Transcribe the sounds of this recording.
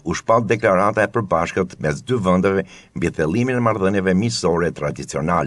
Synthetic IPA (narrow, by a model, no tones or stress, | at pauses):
uʃpalˠd̪ɛklaɾat̪aɛpəɾbaʃkət̪mɛsd̪yvɛnd̪avɛ | mbiθɛlˠiminɛmaɾðənjɛvɛmisɔɾɛt̪ɾad̪it͡siɔnalɛ